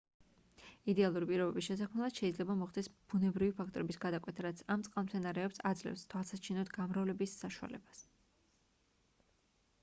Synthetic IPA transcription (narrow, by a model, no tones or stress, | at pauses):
id̪ɛalˠuɾipʼiɾɔbɛbisʃɛs̬akʰmɛlˠad̪̥ʃɛid̪zlɛbamɔχd̪ɛsb̥unɛbɾivipʰakʰt̪ʼɔɾɛbisɡad̪akʼwɛt̪ʰaɾat̪sʰamt̪sʼqʼalˠmt̪sʰɛnaɾɛɔpsad̪zlɛ̰fst̪ʰwalˠsat͡ʃʰinɔt̪ʰɡamɾavlɛbisːaʃua̰lɛ̰bas